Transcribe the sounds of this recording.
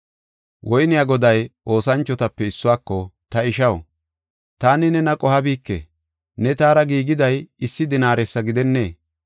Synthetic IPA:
wʔɔjnɪjaːɡɔd̪ɐjʔo̞ːsɐnt͡ʃːɔt̪ɐpːɛɪsːʊwaːkːɔt̪ɐɪʃɐw | t̪aːnɪnɛnɐkʼɔhɐbiːkːḛ | nɛt̪aːɾɐɡiːɡɪd̪ɐjɪsːɪd̪ɪnaːɾɛsːɐɡɪd̪ɛnːe̞̰ː

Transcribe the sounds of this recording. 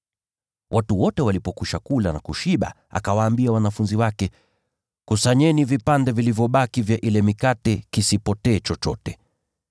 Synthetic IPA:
wʔatuwɔtɛwalipɔkuʃakulanakuʃiɓa̰ | a̰kawaːmbiawanafunziwakɛ | kusaɲɛnivipandɛvilivjɔɓakivjaʔilɛmikatɛkisipɔtɛːt͡ʃɔt͡ʃɔ̰tɛ

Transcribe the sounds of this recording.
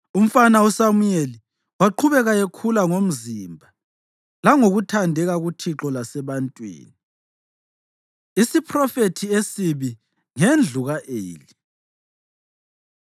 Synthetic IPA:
um̩fanausamujeli | waǃʰuβɛɣajekʰulaŋom̩zimbʱa | laŋoɣutʰandʱɛɣaɣutʰiǁɔlasɛβantʼwḭːni | isipʰrɔfetʰiesiβi | ŋend͡ɮʱuɣaʔḛːli

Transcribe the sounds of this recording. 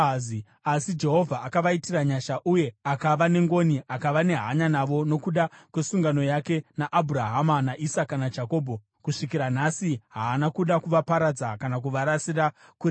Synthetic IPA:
i | asid͡ʒe̞ɦo̞vʱaːkaʋaitiraɲaʃaʔuje̞akaʋane̞ŋɡo̞niʔakaʋane̞ɦa̰ɲanaʋo̞no̞kuɗakwe̞suŋɡano̞jake̞naʔabʱuɾaɦamanaʔisakanad͡ʒako̞ːbʱo | kuʂik̬iɾanasiɦaːnakuɗakuʋapaɾad͡zakanak̬uʋaɾasiraku

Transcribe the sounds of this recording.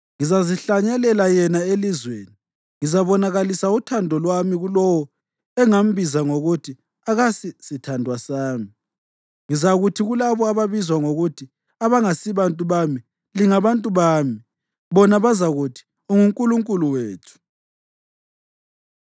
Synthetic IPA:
ŋizaziɬaɲɛlɛlajɛnaelizweːni | ŋizaβɔnaɣalisautʰandʱɔlwamiɣulɔwɔ | ɛŋam̩bʱizaŋoɣutʰi | aɣasisitʰandʱwasaːmi | ŋizaɣutʰiɣulaβɔaβaβizwaŋoɣutʰi | aβaŋasiβantʼuβami | liŋaβantʼuβaːmi | βɔnaβazaɣutʰi̥ | oŋuŋkʼuluŋkʼuluweːtʰu̥

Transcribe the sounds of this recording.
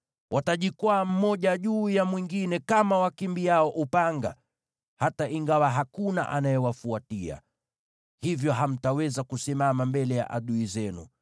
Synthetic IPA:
wʔataʄikwaːm̩mɔʄaʄuːjamwiŋɡinɛkamawakimbijaɔʔupaŋɡa | hataʔiŋɡawaɦakuna̰ʔanajɛwafuatia̰ | hivjɔɦam̩tawɛzakusimamambɛlɛja̰ʔa̰ɗuizɛnṵ

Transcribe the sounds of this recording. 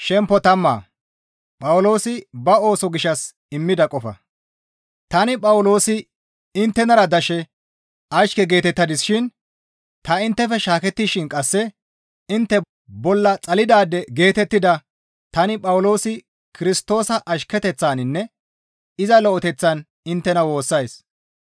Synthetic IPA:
ʃɛmpːɔt̪ɐmːa̰ː | pʼɐwʊlo̞ːsɪbɐo̞ːsɔɡɪʃːɐs | ɪmːɪd̪ɐkʼɔfɐ̰ | t̪ɐnɪpʼɐwʊlo̞ːsɪ | ɪnt̪ːɛnɐɾɐd̪ɐʃɛ | ɐʃkɛɡe̞ːt̪ɛt̪ːɐd̪ɪsʃɪn | t̪ɐɪnt̪ːɛfɛʃaːkɛt̪ːiʃɪnkʼɐsːɛ | ɪnt̪ːɛ | bɔlːɐt͡sʼɐlɪd̪aːd̪ɛɡe̞ːt̪ɛt̪ːɪd̪ɐ | t̪ɐnɪpʼɐwlo̞ːsɪ | kʰɪɾɪst̪o̞ːsɐʔɐʃkɛt̪ɛt͡sːaːnɪnːɛ | ɪzɐlɔɔt̪ɛt͡sːɐn | ɪnt̪ːɛnɐwo̞ːsːɐjs

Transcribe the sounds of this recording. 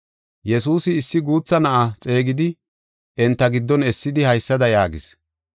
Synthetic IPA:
jɛsuːsɪːsːɪɡuːt͡sːɐnɐʔat͡sʼe̞ːɡɪd̪ɪ | ʔɛnt̪ːɐɡɪd̪ːɔnɛsːɪd̪ɪhɐjsːɐd̪ɐjaːɡɪ̰s

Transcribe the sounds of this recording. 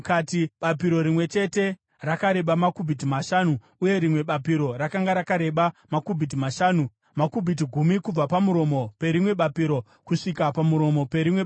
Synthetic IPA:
katiɓapiɾo̞ɾimwe̞t͡ʃe̞te̞ | rakaɾe̞ɓamakubʱit̬imaʃaːnu | uje̞ɾimwe̞ɓapiɾo̞ɾakaŋɡaɾakaɾe̞ɓamakubʱit̬imaʃaːnu | makubʱit̬iɡʱumikub͡vapamuɾo̞mo̞pe̞ɾimwe̞ɓapiɾo̞ | kuʂikapamuɾo̞mo̞pe̞ɾimwe̞ɓ

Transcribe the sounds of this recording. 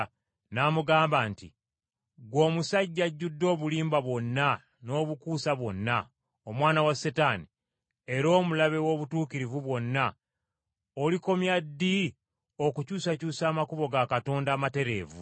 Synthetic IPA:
namuɡaːmbaːnti | ɡwo̞ːmusaɟːaɟːudːo̞ːβuliːmbaβwo̞nːa | no̞ːβukuːsaβwo̞nːa | o̞mwaːnawasetaːni | e̞ɾo̞ːmulaβe̞wo̞βutuːkiɾivuβwo̞nːa | oliko̞mjadːi | o̞kucuːsacuːsaːmakuβo̞ɡakato̞ːndaːmate̞ɾe̞ːvṵ

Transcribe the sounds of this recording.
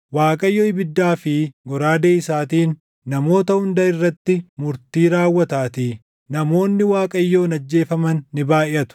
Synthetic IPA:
waːkʼɐjːoːɪbɪd̪ːaːfɪɡɔɾaːd̪eːɪsaːt̪iːnː | ɐmo̞ːt̪ɐhʊnd̪ɐɪrːɐt̪ːɪmʊɾt̪iːɾaːwːɐt̪aːt̪iː | ɐmo̞ːnːɪwaːkʼɐjːo̞ːnɐd͡ʒːe̞ːfɐmɐnːɪbaːʔɪʔɐt̪ʊ̥

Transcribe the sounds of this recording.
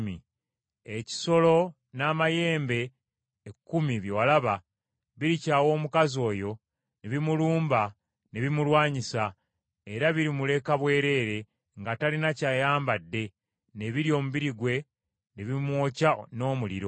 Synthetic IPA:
mi | eci̥so̞lo̞ | naːmaje̞ːmbe̞ː | kːumiβjowalaβa | βiɾicaːwo̞ːmukazo̞ːjo̞ | neβimuluːmba | neβimulwaːɲisa | e̞ɾaβiɾimule̞kaβwe̞ːɾe̞ːɾe̞ | ŋɡatalinacaːjaːmbadːe̞ | ne̞βiɾio̞ːmuβiɾiɡwe̞ | neβimwo̞ːcano̞ːmulḭɾo̞

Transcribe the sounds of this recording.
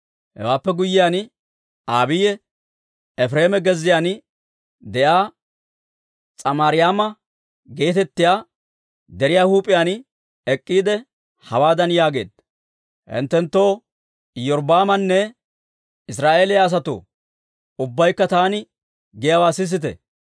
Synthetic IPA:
hɛ̰waːpːɛɡʊjːɪjaːn | aːbɪjɛ | ɛfɾe̞ːmɛɡɛzːɪjan | d̪ɛʔaː | t͡sʼɐmaːɾɪjaːmɐ | ɡe̞ːt̪ɛt̪ːɪjaː | d̪ɛɾɪjaːhuːpʼːɪjaːn | ɛkʼːiːd̪ɛ | hɐwaːd̪ɐnjaːɡe̞̰ːd̪ | hɪ̰nt̪ːɛnt̪ːo̞ː | jɔɾbaːmɐnːɛ | ɪsɾaːʔeːlɪjaːs̬ɐt̪o̰ː | ʊbːɐjkːɐt̪aːnɪ | ɡɪjɐwaːsɪs̬ːɪt̪ɛ̰

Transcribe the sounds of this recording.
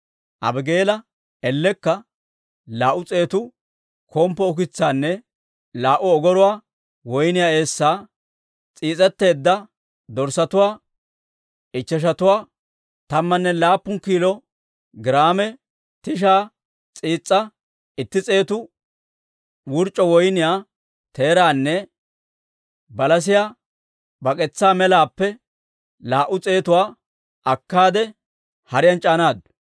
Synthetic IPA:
ʔɐ̰bɪɡe̞ːlɐ | ɛlːɛkːɐ | laːʔʊt͡sʼe̞ːt̪ʊ | kʰɔːmpːɔʊk̬ɪt͡sːaːnːɛ | laːʔʊɔɡɔɾʊwaː | wɔjnɪjaːe̞ːsːaː | t͡sʼiːt͡sʼɛt̪ːe̞ːd̪ːɐ | d̪ɔɾsɐt̪ʊwaː | ʔɪt͡ʃːɛʃ̬ɐt̪ʊwaː | t̪ɐmːɐnːɛlaːpːʊŋkiːlɔ | ɡɪɾaːmɛ | t̪ɪʃ̬aː | t͡sʼiːt͡sʼːɐ | ɪt̪ːɪt͡sʼe̞ːt̪ʊ | wʊɾt͡ʃʼːɔwɔjnɪjaː | t̪e̞ːɾaːnːɛ | bɐlɐs̬ɪjaː | bɐkʼɛt͡sːaːmɛlaːpːɛ | laːʔːʊt͡sʼe̞ːt̪ʊwaː | ʔɐkːaːd̪ɛ | hɐɾɪjɐnt͡ʃʼaːnaːd̪

